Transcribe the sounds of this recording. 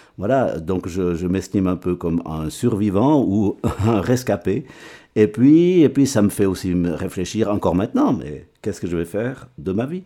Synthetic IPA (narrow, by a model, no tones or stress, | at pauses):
vwala̰d̪ɔ̃kʒəʒəmɛst̪imɛ̃pøkɔmɛ̰̃syʁvivɑ̃uɛ̃ʁɛskapeepɥiepɥisaməfɛosiməʁefleʃiʁɑ̃kɔʁmɛ̃t̪nɑ̃mɛ̰kɛskəʒəvɛfɛʁd̪əmavi